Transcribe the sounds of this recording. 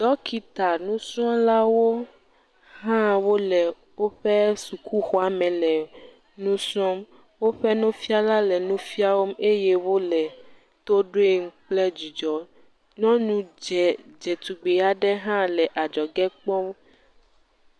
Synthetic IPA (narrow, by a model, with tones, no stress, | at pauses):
d̪̥ɔ˦ki˨t̪a˨nũ˦sɔ̃˦la˦wo˦ | ɦã˦wo˦lɛ˨ | wo˦ɸɛ˦su˨kʰu˦xɔ˦a˨mɛ̃˨lɛ˨ | nũ˦sɔ̃˦m | wo˦ɸɛ˦nɔ̃˦fi˦a˦la˦lɛ˨nũ˦fi˦a˦wo˦me˦jɛ˦wo˦lɛ˨ | t̪o˦ɖo˦e˦ŋ̩˦k͡plɛ˦d͡ʒi˨d͡ʒɔ˨ | nɔ̃˦nũ˦d͡ʒɛ˨d͡ʒɛ˨t̪u˨ɡ͡be˨a˦ɖɛ˦ɦã˦lɛ˨ʔa˨d͡ʒɔ˨ɡɛ˦k͡pɔ̃˦